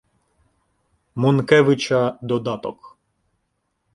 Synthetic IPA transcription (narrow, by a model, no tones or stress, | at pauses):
mɔnkɛʋɪt͡ʃɐd̪ɔd̪ɑt̪ɔk